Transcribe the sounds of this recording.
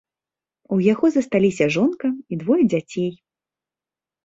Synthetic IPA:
ujaɣɔzɐst̪alʲisʲɐʐɔnkɐid̪vɔjd͡zʲat͡sʲej

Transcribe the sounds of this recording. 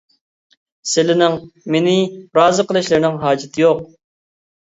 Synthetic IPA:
sɪlɪnɪŋmenɪɾɑːzɨqəlˠɨʃlɪɾnɪŋɦɑːd͡ʒɪt̪ʰɪjoq̚

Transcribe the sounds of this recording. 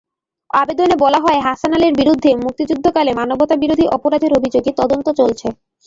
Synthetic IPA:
abed̪onebɔlaɦɔeɦaʃanaleɾbiɾud̪ʱːemuk̚t̪id͡ʑud̪ʱːokalemanobot̪abiɾod̪ʱiʔɔpoɾad̪ʱeɾobʱid͡ʑoɡet̪ɔd̪ont̪ot͡ɕolt͡ɕʰe

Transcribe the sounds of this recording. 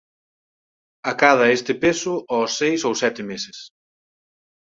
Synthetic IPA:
akaðɐest̪ɪpesʊʔɔsːejsowsɛt̪ɪmesɪs

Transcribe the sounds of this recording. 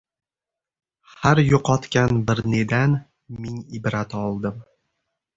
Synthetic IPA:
haɾjoqʰɒt̪kʲanbɪɾned̪an | mɪŋɪbɾat̪ɒlˠd̪ɪm

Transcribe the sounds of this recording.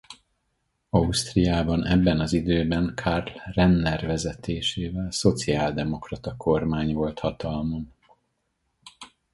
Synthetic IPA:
ɒust̪rijaːbɒnɛbːɛnɒzid̪øːbɛŋkʰarlːɛnːɛrvɛzɛt̪eːʃeːvɛlso̞t̪siaːld̪ɛmo̞krɒt̪ɒkʰo̞rmaːɲvo̞lt̪hɒt̪ɒlmon

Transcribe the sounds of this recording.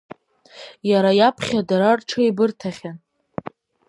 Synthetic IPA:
jaɾajapʰχʲadaɾarʈ͡ʂʰɨibɨrtʰaχʲan

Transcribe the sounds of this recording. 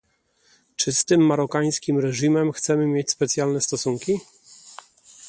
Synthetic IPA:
t͡ʂɘst̪ɘmːaɾɔkaj̃skʲimɾɛʐimɛmxt̪sɛmɘmʲjet͡ɕspɛt̪sʲjalnɛst̪ɔsuŋkʲi

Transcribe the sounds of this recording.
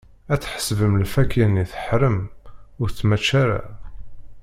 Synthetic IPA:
æt͡sːħə̥svəmlfækʰæniθə̥ħɾəmʊɾθmæt͡ʃːaɾa̰

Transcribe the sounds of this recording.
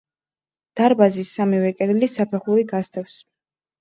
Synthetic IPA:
d̪̥aɾbazisːamivɛkʼɛd̪lisapʰɛχuɾiɡast̪ʼɛfs

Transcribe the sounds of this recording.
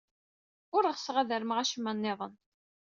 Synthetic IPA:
ʊɾəʁsʁæðəɾmʁæʃəmːənːɪðˤə̰n

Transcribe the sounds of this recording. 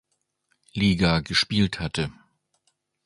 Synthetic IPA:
liːɡaɡəʃpiːlthatʰə

